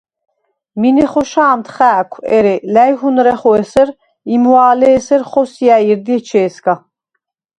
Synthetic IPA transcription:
minɛχɔʃaːmt̪ʰχæːkʷʰɛ̰ɾɛlæjɦunɾɛχɔɛsɛɾ | imwaːlɛːsɛɾχɔsjaiɾd̪iɛt͡ʃʰɛːska

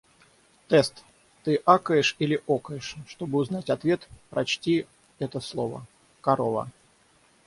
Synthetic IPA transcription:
t̪ɛst̪ | t̪ːɨʔakəjɪʂilʲɪʔokəjɪʂːt̪o̞bɨʊznatʲɐt̪vʲe̞t̪pɾʔɐt͡ɕtʲi | ɛt̪əslˠovə̰ | kɐɾovə̰

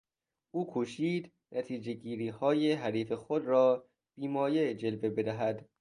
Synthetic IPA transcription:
ʔuːkʰoʃiːd̪ | nʔæt̪ʰiːd͡ʒe̞ɟiːɾiːhɒːjeɦæɾiːfe̞xod̪ɾɒː | b̥iːmɒːjed͡ʒelbebe̞d̪æɦæd̪

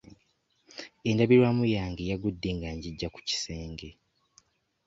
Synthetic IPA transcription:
endaβiɾwaːmujaːŋɡejaɡudːe̞ŋɡaɲɟiɟːaku̥ci̥se̞ːŋɡe̞

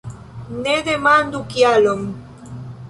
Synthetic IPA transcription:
ned̪emand̪ukjaloŋ

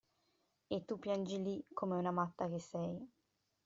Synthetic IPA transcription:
et̪ːupːjand͡ʒilikʰːomeunamat̪ːak̟esːɛj

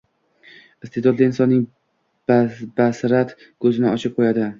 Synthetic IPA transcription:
ɪst̪ʰed̪ɒd̪lːaɪnsɒnːɪŋ | basɾat̪ | kʰɵzɪnɪɒt͡ʃʰɪp̚qʰojad̪ɪ

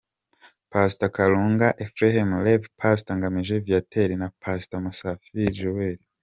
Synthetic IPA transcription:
pasi̥takaɾuːŋɡaʔefɾehemlevpʰasi̥taŋɡamiʒevjatʰeɾinapʰasi̥tamusafiʒuweɾi

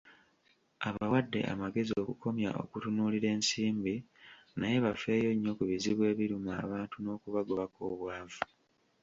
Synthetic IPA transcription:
aβawadːe̞̰ʔa̰maɡe̞zio̞kuko̞mja̰ʔo̞̰kutunuːliɾe̞ːnsiːmbinaje̞βafe̞ːjo̞ɲːo̞kuβiziβwe̞ːβiɾumaːβaːntuno̞ːkuβaɡoβako̰ːβwaːvu

